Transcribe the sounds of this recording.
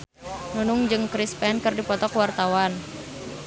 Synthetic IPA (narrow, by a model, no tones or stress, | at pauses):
nunʊŋd͡ʒɨŋkɾispɛnkɨrdipɔt̪ɔkwart̪awan